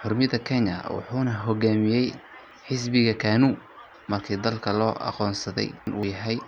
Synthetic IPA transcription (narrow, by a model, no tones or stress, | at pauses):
ħʊrmɪðɐkʰɛnɐ̰wɑ̰ħuːnɐɦɔɣaːmɪjɛj | ħɪs̬bɪɣɐkʰaːnuː | mɐrkʰiːd̪ɐlkʰɐlɔːʔɑ̰qɔːnsɐðɛ̰jɪnʔuːjɐɦɛj